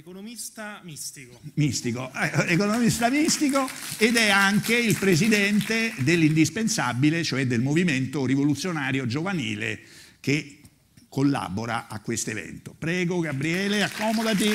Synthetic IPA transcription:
ekonomist̪amist̪ikmist̪ikoɛekonomist̪amist̪ikoed̪ɛaŋkeilpɾezid̪ɛnt̪ed̪elːind̪ispensabilet͡ʃoɛd̪elmoviment̪oɾivolut̪sːjonaːɾjod͡ʒovanḭːlḛk̟e | kʰːolːa̰ːboɾa̰ʔakːwest̪oevɛ̰nt̪opɾɛːɡoɡabɾiɛːleakːɔmod̪at̪̬i

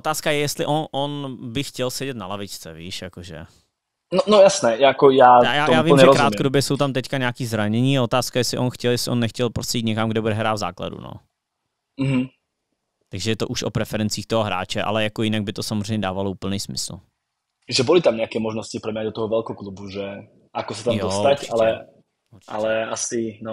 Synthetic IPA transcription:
ot̪aːskajɛjɛst̪lɪʔonʔonbɪxcɛlsɛɟɛt̪nalavɪt͡ʃt͡sɛvḭːʃjakoʒɛ̰ | nonojasnɛjakɔjaːajaːɔjaːvim̩mɲɛɾɔzkɾaːt̪kodobjɛsowt̪amt̪ɛckaɲɛaːkiːzɾaɲɛɲiːɛot̪aːskajɛslɪʔonxcɛljɛslɪʔonːɛxcɛlpɾost̪ʰʲɛiːt̪ɲɛkamɡdɛbudɛɦɾaːvza̰ːkla̰dṵno̰ | m̩ɦm̩ | t̪aɡʒɛjɛt̪oʔuʃʔopɾɛfɛɾɛnt͡siːxt̪oɦoɦɾa̰ːt͡ʃɛʔa̰lɛjakojɪnaɡ̚bɪt̪osamozrɛjɲɛdaːvalouːpl̩nɛjsmɪ̰sl̩ | ʒɛbɔlit̪amɲɛakɛmɔʒnɔscipɾɛmjaɟd̪ɔt̪ɔɦɔʋɛlkɛklubuʒɛ | ʔakɔsat̪amj̪ɔsacalɛ | oʔa̰lɛasinɔ

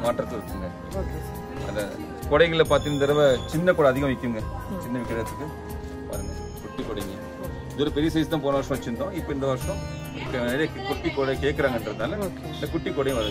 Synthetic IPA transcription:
maːʈrɐt̪ːɯʋɐt̪ːɯŋɡɐ | oːke | ɐ̰ɐ | kɔɽɐjŋɡɐɭɐpaːɾt̪ːiŋnd̪ɐɾɐʋɐt͡ʃɪnːɐkɔɽɐɐðɪɣɐ̃ʋɐɪkːɯʋɯŋɡɐ | t͡ʃɪnːɐʋɪkːɐɽɐɐt̪ːɯ̥kːɯ | pɐ̰ɾɯŋɡɐ | kʊʈːikːɔɽɐɪŋɡɐ | d̪uːɾɐpɛɾijɐs̬ɐjs̬t̪aːp̬oːnɐʋɐɾʂɐ̃t͡ʃːɪnd̪õːɪpːoːɪnd̪ɐʋɐɾʂɐ̃ | kːɐʋnaːɾijɐkʊʈːikːɔɽɐjkeːʈkːɐɾaːŋɡɐndɾɐaːlɐ | ɪnd̪ɐkʊʈːikːɔɽɐj̃ʋɐɾ

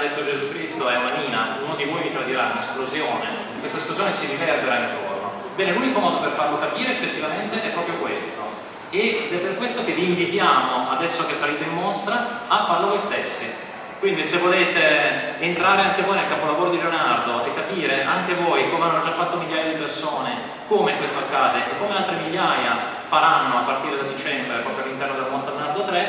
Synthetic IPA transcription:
d̪et̪ːod͡ʒezukɾist̪oɛunaniːnaunod̪ivojmit̪ɾad̪iɾaunesklozjoːne | kwest̪aesklozjoːnesid̪ivɛrɡeɾaint̪orno | bɛːnelunikomɔːd̪operfarlokapiːɾeefːet̪ːivament̪eɛpːɾɔːpɾjokwest̪o | ed̪ɛpːerkwest̪ok̟eviːɱvit̪jaːmoad̪ɛsːok̟esːaɾeːt̪eimːɔst̪ɾaafːarlovojst̪esːi | kwind̪isevːoleːt̪eːnt̪ɾaːɾeaŋk̟evoːjnelkːaːpolavoːɾod̪ileonard̪oʔekːapiːɾeʔaŋk̟evoːjkomeanːod͡ʒafːat̪ːomiljaːjad̪ipersoːne | koːmekwest̪oakːaːd̪eʔekːomealt̪ɾemiʎːaːja | faɾanːoapːart̪iːɾed̪ad̪it͡ʃɛmbɾepɾɔːpɾjoalːint̪ɛrnod̪elamɔst̪ɾaleonard̪ot̪ɾɛ

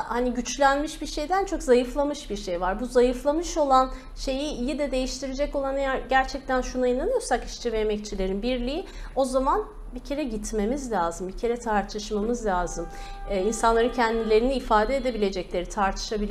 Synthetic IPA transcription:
haniɟyt͡ʃlʲænmiʃbiɾʃe̞jd̪ænt͡ʃʰo̞kzajɯflˠamɯʃbiɾʃejvaɾbuzajɯflˠamɯʃo̞lˠan | ʃe̞jiijid̪ɛd̪e̞jiʃt̪ʰiɾed͡ʒɛco̞lˠanajæɾɟæɾt͡ʃʰɛc̚t̪ʰænʃunainˠanɯjo̞saki̥ʃt͡ʃʰivemɛct͡ʃʰilʲe̞ɾinbiɾlʲiji | o̞zaman | bicʰe̞ɾɛɟit̪me̞mizlʲaːzɯmbicʰe̞ɾɛt̪ʰaɾt̪ʰɯʃmamɯzlʲaːzɯmː | insanlˠaɾɯncʰɛnd̪ilʲe̞ɾiniːfaːd̪ɛed̪e̞bilʲe̞d͡ʒɛclʲe̞ɾit̪ʰaɾt̪ʰɯ̥ʃabilʲi

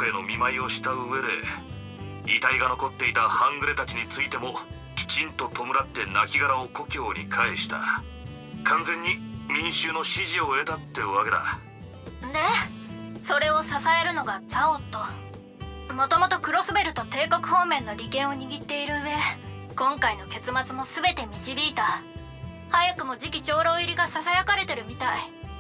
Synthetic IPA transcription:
kɯe̞no̞mʲimaio̞ɕi̥t̪aɯe̞d̪e̞̰ | it̪aiɡano̞ko̞t̪ːe̞it̪ahãŋɡɯ̟ɾe̞t̪at͡ɕiɲ̟it͡sɨit̪e̞mo̞ | kʲi̥t͡ɕĩnt̪o̞t̪o̞mɯ̟ɾat̪ːe̞nakʲiɡaɾaoko̞kʲo̞ːɲ̟ḭkʰaeɕi̥t̪a̰ | kʰãnd͡zẽ̞ɲ̟ːimʲĩɰ̃ɕɨːno̞ɕiʑio̞e̞t̪at̪ːe̞βake̞d̪a̰ | ne̞ | so̞ɾe̞o̞sasae̞ɾɯ̟no̞ɡat͡saot̪ːo̞ | mo̞t̪o̞mo̞t̪okɯ̟ɾo̞sɨbe̞ɾɯ̟t̪o̞t̪e̞ːko̞kɯ̟ho̞mẽ̞nːo̞ɾʲikẽ̞ɰ̃oɲ̟iɡʲit̪ːe̞iɾɯ̟ɯβe̞ | kõ̞ŋkaino̞ke̞t͡sɨmat͡sɨmo̞sɨbe̞t̪e̞mʲit͡ɕibʲiːt̪a | hajakɯ̟mo̞d͡ʑikʲit͡ɕo̞ːɾo̞ːiɾʲiɡasasajakaɾe̞t̪e̞ɾɯ̟mʲit̪ai

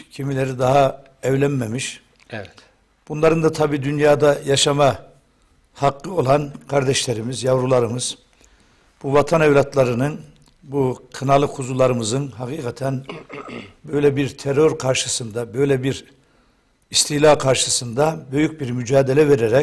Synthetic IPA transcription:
cʰimilʲeɾid̪aɦa | ɛvlʲænmemiʃ | b̥unlˠaɾɯnd̪at̪ʰabiːd̪ynjaːd̪ajaʃama | hakːɯo̞lˠankʰaɾd̪ɛʃlʲeɾimizjavɾulˠaɾɯmɯz̥ | b̥uvat̪ʰanɛvlʲat̪ʰlˠaɾɯnɯn | bukʰɯnalˠɯkʰuzulˠaɾɯmɯzɯnɦaɡʰiːkʰat̪ʰæn | bø̞jlʲɛbiɾt̪ʰɛɾoɾkʰaɾʃɯ̥sɯnd̪abø̞jlʲɛbiɾ | ist̪ʰihlʲakʰaɾʃɯsɯnd̪abøjyc̚biɾmyd͡ʒaːd̪e̞lʲɛveɾɛɾɛ

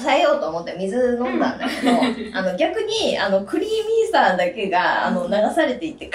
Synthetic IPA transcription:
saejo̞ːt̪o̞ːmo̞t̪ːe̞mʲizɨnõ̞nd̪ã̰nd̪ake̞d̪o̞ano̞ɡʲakɯ̟ɲ̟ia̰no̞kɯ̟ɾʲiːmʲĩɰsaːd̪ake̞ɡaa̰no̞naɡasaɾe̞t̪e̞it̪ːek

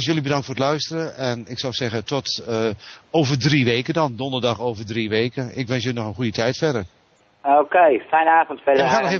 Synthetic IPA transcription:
sjølibədɑŋktfoːrətlœɥstərəɛnɪksɔwsɛɣətɔt | owvərdriʋejkəndɑndɔndərdɑxoːwvərdriʋeːkəɪkʋɛnsjølinɔxənχujətʰɛjtfɛdər | okejfɛjnaːvɔ̃ntfɛəaːnɔe

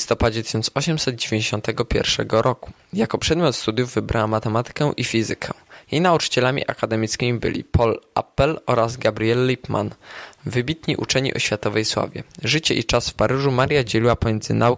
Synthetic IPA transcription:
ist̪ɔpad͡ʑɛt̪ɪ̥ɕɔnt̪sɔɕɛmsɛd̪̚d͡ʑevʲẽɲd͡ʑeɕɔ̃nt̪ɛɡɔpʲjɛ̰ɾfʂɛ̰ɡɔɾʔɔku̥ | jakɔpʂɛd̪mʲjɔt̪st̪ud̪ʲjuvːɘbɾʔawamːat̪ɛmat̪ɘ̥kɛ̃ʔifʲizɘkʰɛ̰inaut͡ʂɘ̥t͡ɕɛlamʲḭʔa̰kad̪ɛmʲit̪skʲimʲibɘ̰lʲḭpɔla̰pɛlɔɾazɡabɾʲijɛlːipma̰nvɘbʲit̪ɲiʔut͡ʂɛɲḭʔɔɕfʲjat̪ɔvɛjswa̰vʲjɛ̰ʐɘt͡ɕɛ̰ʔit͡ʂasfpaɾɘʐumaɾʲjad͡ʑelʲiwapɔmʲjɛnd̪zɘ̰nau

